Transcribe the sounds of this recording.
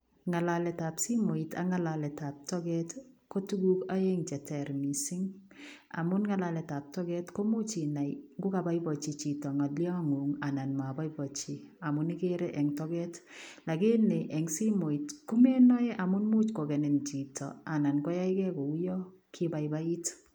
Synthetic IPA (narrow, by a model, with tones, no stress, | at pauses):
ŋa˨la˨lɛ˨ta˨psi˦mo˨i˨ta̰˦ŋa˦lalɛ˨ta˨p̚tɔ˦ɡɛ˦tko˦tu˦ɡu˦ka˦je˦ŋt͡ʃɛ˨tɛ˨ɾmi˨sɪ˦ŋ | a̰˨mʊ˦nŋa˦la˨lɛ˨ta˨p̚tɔ˦ɡɛ˦tko˦mu˦t͡ʃi˨na˨jŋɡʊ˦ka˨ba˦jbɔ˨t͡ʃi˨t͡ʃi˨tɔ˨ŋa˨ljɔ˦a˨ŋu˨ŋa˨na˨nma˨ba˦ibɔ˨t͡ʃi˨a˨mʊ˨ni˦ke˦ɾɛ˦ʔɛ˨ŋtɔ˦ɡɛtla˨ɡe˦ne˨ʔɛ˨ŋsi˦mo˨i˨tku˦mɛ˦nɔ˦jɛ˦ʔa˨mʊ˦nmu˦t͡ʃko˨ɡɛ˨nɛ˨nt͡ʃi˨tɔ̰˨a˨na˨nkɔ˦ja˦jkɛ˦kɔ˨u˦jɔ˦ | kʰɪ˦ba˨jba˦i˦t